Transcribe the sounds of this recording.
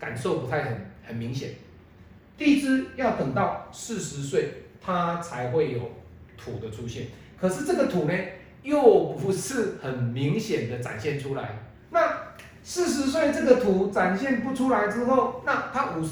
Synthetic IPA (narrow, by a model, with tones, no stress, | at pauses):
ka̰˨˩nso˥˩ʊpu˧˥t̪ʰa˥˩ɪxə˨˩nhə˨˩nmi˨˧˥ŋɕjɛ̰˨˩˦n | t̪i˥˧i˦˥t͡s̩˥jɑ˥˩ʊt̪ə˨˩ŋt̪ɑ˥˨ʊsɹ̩˥˩ʂɻ̩˧˦swe˥˩ɪt̪ʰa˦t͡sʰa˧˦ɪxwe˥˩ɪjo˨˩ʊ | t̪ʰu˨˩d̪ə˦ʈ͡ʂʰu˥ɕjɛ˥˩n | kʰɤ˨˩ʂɻ̩˥˨ʈ͡ʂɤ˥˩ɡə˨˩t̪ʰu˨˩ne˨ | jo˥˩ʊpu˨˩ʂɻ̩˥˨xə˨˩nmi˨˦ŋɕjɛ˨˩nd̪ə˦t͡sa̰˨˩nɕjɛ˥˨nʈ͡ʂʰu˦la̰˨˦ɪ | na˥˨ | sɻ̩˥˨ʂ̬ɻ̩˧˦s̬we˥˧ɪʈ͡ʂɤ˥˩ɡə˨t̪ʰu˨˩t͡sa˨˩nɕjɛ˥˨npu˧˥ʈ͡ʂʰu˥la˧˦ɪt͡sɻ̩˥xo˥˨ʊna˥˨t̪ʰa˦˥ʔu˨˩